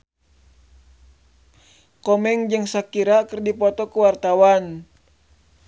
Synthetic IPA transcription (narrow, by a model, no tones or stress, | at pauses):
kɔmɛŋd͡ʒɨŋsakiɾakərdipɔt̪ɔkuwart̪awan